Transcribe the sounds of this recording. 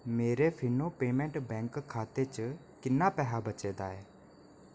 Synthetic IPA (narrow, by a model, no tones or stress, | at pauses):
meːɾefʰɪnopeːmɛ̃ɳʈbɛ̃ːŋkkʰːaːt̪et͡ʃə | kɪnapɛɦabət͡ʃeːd̪aːɦeː